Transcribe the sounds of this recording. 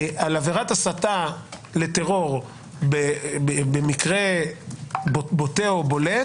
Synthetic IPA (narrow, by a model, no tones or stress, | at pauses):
alaveʁatasataleteʁo̞ʁ | beebemikʁe | bo̞teobo̞le